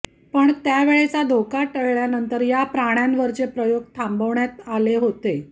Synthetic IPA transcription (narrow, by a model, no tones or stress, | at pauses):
pəɳt̪jaʋeɭet͡sad̪ʱokaʈəɭɭjanənt̪əɾjapɾaɽ̃janʋəɾt͡sepɾəjoɡ̚t̪ʰãmbəʋɳjat̪aleɦot̪e